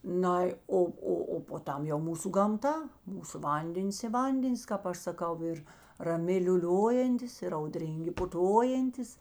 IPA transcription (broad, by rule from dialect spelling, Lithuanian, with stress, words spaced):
ˈnɐɪ ˈoː ˈoː oː poː ˈtɐm jɛʊ ˈmuːsʊ ɡɐmˈtɐ ˈmuːsʊ ˈʋɐnʲdʲɛnʲɪs ɪ ˈʋɐnʲdʲɛnʲɪs kɑːp ˈɐʃ sɐˈkɐʊ ɪr rɐˈmʲɪ lʲuːˈlʲoːjɛnʲtʲɪs ɪr ɐʊˈdʲrʲiːŋʲɡʲɪ pʊˈtoːjɛnʲtʲɪs